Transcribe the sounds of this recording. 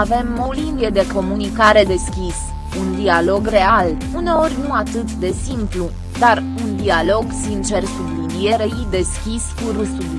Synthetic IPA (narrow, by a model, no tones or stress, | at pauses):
ave̞molinbjed̪e̞ko̞munikaɾe̞d̪e̞skʲis | und̪ialo̞ɡre̞al | une̞o̞rʲnuat̪ɨt̪d̪e̞simplu | d̪ar | und̪ialo̞ɡsint͡ʃe̞rsutud̪ie̞ɾeid̪e̞skʲiskuɾusul